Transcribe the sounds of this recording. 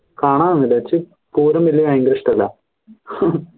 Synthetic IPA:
kaːɳaːnnːilɐt͡ɕːɨ | puːɾɐmʋilːijɐiŋɡɾiʂʈɐlːɐ̰

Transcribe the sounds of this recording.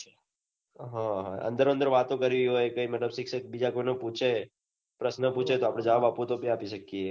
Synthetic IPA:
ɦãɦãə̰̃nd̪əɾoənd̪əɾʋat̪õkəɾʋiɦojkəimət̪ləbsɪkʃək̚bid͡ʒakoinəput͡ʃʰe | pɾəsnəpũt͡ʃʰet̪oapɽ̃ẽd͡ʒəʋabapõt̪obiapiʃəkːie

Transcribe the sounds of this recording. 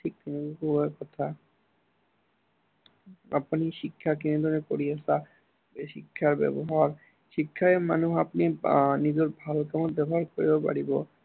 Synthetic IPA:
ʈʰik̚t̪inikukʰubakɔt̪ʰa | a̰paniʃikʰːakined̪ʱonekoɾiesʰa | ʃikʰːaɾbɛ̰boɦaɾ | ʃikʰːaemanuɦapninid͡ʑoɾbʱalokɛmonbɛboɦaɾkoɾibepa̰ɽibo

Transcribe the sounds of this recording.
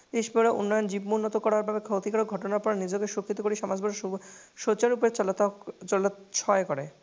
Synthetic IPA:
d̪eʃbʱoɾaʔṵnːɔjond͡ʑibmounːɔt̪okɔɾaɾbʱabekʰot̪ikaɾok̚ɡʱɔʈonaɾpɔɾanid͡ʑoɡeʃukʰːit̪okoɾiʃɔmad͡ʑbʱɔʃot͡ɕaɾupet͡ɕt̪olʃʰɔekɔɾe

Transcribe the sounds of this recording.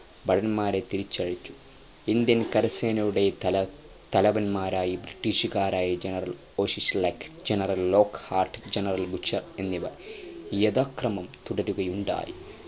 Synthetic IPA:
bɐɽɐnmaːɾet̪iɾit͡ɕːɐɻit͡ɕːu̥ | ind̪jɐnkɐɾɐseːnɐjuɽe̞ɐ | t̪ɐlɐʋɐnmaːɾaːjibɾiʈːiːʂɣaːɾaːjɐd͡ʑenɐrɐl | oːʂislɐkd͡ʒenɐɾɐlːo̞ːkhaːrʈd͡ʒenɐrɐlbut͡ʃːɐre̞nːiʋɐ̰rjed̪aːkrɐmɐmt̪uɽɐɾuɣɐjuɳɖa̰ːjḭ

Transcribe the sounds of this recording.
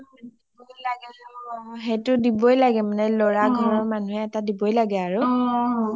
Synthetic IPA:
laɡɛ | ɦetʊdibojlaɡɛmanɛlɔɹaɡʱɔɹɔɹmanuɦɛːtadibojlaɡɛaɹʊ

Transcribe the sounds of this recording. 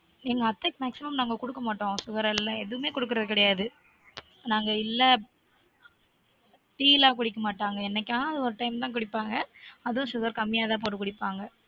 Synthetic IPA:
niŋɡɐɐt̪ːɐkmaːksɪmɐmnaːŋɡɐkʊɽɯkːɐmaːʈːõːsʊɣɐɾɛlːãːɛðɯʋɯmeːkɔɽɯk̬ːɯɾɐðɯkɪɽɐjaːðɯ | naːŋɡɐɪlːɐ | ʈiːlaːkʊɽɪkːɐmaːʈːaːŋɡɐɛnːɛkʲːãːɐðɯɔɾɯʈɐɪmt̪ãːk̬ʊɽɪpːaːŋɡɐɐðʊ̃sʊɣɐɾkɐmːɪjaːt̪ãːp̬oːʈːɯkːʊɽɪpːaːŋɡɐ

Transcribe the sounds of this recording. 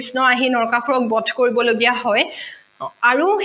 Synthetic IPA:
snɔaɦinɔɹkaxuɹɔk̚bɔdʰʱkoɹibɔloɡijaɦɔj | aɹu

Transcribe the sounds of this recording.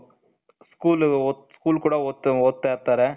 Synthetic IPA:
skuːlɔskuːlkuːɽɐoːt̪ːɯoːt̪ːeːɾt̪ːaːɾɛ̃

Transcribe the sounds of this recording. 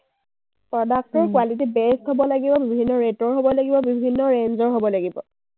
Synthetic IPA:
pɹɔdak̚tɔɹkwalit̬ibɛstɦobɔlaɡibɔbibʱinːɔɹetɔɹɦobɔlaɡibɔbibʱinːɔɹenzɔɹɦobɔlaɡibɔ̰

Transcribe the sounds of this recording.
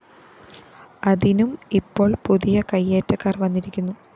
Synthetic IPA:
ɐðinumipːo̞ːɭpuðijɐkɐjːeːtːɐkːaːrʋɐnːiɾikʲːunːu

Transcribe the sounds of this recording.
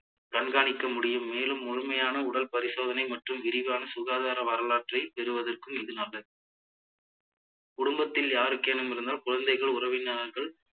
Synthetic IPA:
ɾɐɳɡaːɳɪkːɐmʊɽɪjɯmːeːlɯmːʊɻɯmɐjaːnɐʊɽɐlpɐɾɪsoːðɐnɐɪmɐʈrɯmʋɪɾɪʋaːnɐsʊɣaːðaːɾɐʋɐɾɐlaːʈrɐɪpɛɾɯʋɐðɐrkɯmɪðɯnɐlːɐ | kʊɽʊmbɐt̪ːɪljaːɾɯkːenɯmɪɾɯnd̪aːlkʊɻɐnd̪ɐɪɣɐɭʊrɐʋɪnːaːɾɣɐɭ

